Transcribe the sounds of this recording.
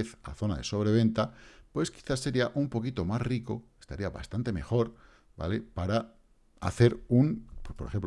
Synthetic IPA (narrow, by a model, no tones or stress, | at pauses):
eθa̰θo̞naðe̞so̞β̞ɾe̞β̞e̞nt̪apwe̞ski̥θasːe̞ɾiaʔumpo̞kit̪o̞masriko̞est̪aɾiaβa̰st̪ant̪e̞me̞xo̞ɾ | ba̰le̞paɾa | a̰θe̞ɾunpwespoɾe̞xempl